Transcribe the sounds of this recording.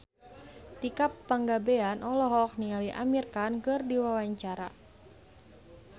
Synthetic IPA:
t̪ikapːaŋɡabeanʔɔlɔɦɔk̚niŋaliʔa̰mirkankɨrdiwawaɲt͡ʃaɾa̰

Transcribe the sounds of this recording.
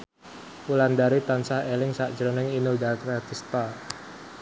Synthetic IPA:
puland̪aɾit̪ansahelɪŋsaʔd̥d͡ʒɾonɪŋinodakɾat̪ist̪a

